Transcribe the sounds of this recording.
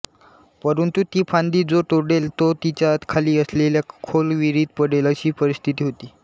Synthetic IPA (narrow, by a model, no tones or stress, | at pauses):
pəɾənt̪ut̪iːpʰand̪iːd͡zoʈoɽelt̪ot̪it͡ɕat̪kʰaliːəsleljakʰolʋiɾiːd̪̚pəɽeləɕiːpəɾist̪ʰit̪iːɦot̪iː